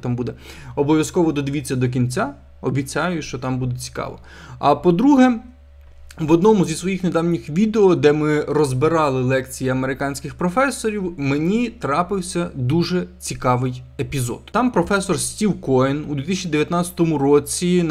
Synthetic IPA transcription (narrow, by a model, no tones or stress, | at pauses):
t̪ɑmbud̪ɛ | ɔbɔʋʲjɐskɔʋɔd̪ɔd̪ɪʋʲit͡sʲːɐd̪ɔk̬ʲinʲt͡sʲa | ɔbʲit͡sʲajʊʃt͡ʃɔt̪ɑmbud̪ɛt͡sʲi̥kɑ̰ʋɔ̰ | ɐpɔd̪ɾuɦɛ | ʋɔd̪nɔmʊzʲisʋɔjixned̪ɑwnʲixʋʲid̪eɔd̪ɛmɪrɔzbɪɾɑlˠɪlˠɛkt͡sʲijiɐmeɾɪkɑnʲsʲkɪxpɾɔfɛsːɔɾʲiwmenʲit̪ɾɑpɪwsʲɐd̪uʒɛt͡sʲikɑʋɪjepʲizɔ̰t̪t̪ɑmpɾɔfɛsɔrsʲtʲiwkɔjɛnud̪ʋʲit̪isʲt͡ʃʲid̪eʋʲjɐt̪nɑt͡sʲɐ̥t̪ɔmʊɾɔt͡sʲi